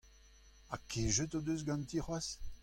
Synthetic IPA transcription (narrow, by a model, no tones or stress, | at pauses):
akʰeʒət̪od̪øs̬ɡɑ̃nt̪iχwas